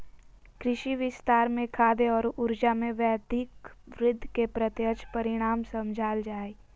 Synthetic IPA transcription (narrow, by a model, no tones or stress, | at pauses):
kɾɪʃiʋɪst̪aːɾmẽkʰaːd̪eɔːɾʊɾd͡ʒamẽʋɛːd̪ɪkʋɾɪd̪ʱːkepɾət̪jət͡ʃpɐɾɪɽ̃aːmsə̃md͡ʒʱaːld͡ʒaːe